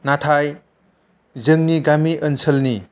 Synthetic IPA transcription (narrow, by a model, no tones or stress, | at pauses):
natʰaj | zɯŋniɡamiʔənsʰəlni